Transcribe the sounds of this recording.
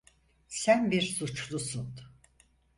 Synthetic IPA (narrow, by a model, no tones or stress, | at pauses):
sænbiɾsut͡ʃlˠusun